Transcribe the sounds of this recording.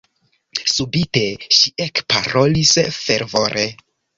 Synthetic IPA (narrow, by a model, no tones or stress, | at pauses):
subite̞ʃiekpaɾo̞lisfe̞ɾvo̞ɾʔe